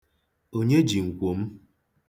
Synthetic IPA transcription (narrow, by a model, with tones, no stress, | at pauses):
o˦ɲe˦d͡ʒi˨ŋ̩˨kʷo˨m̩˦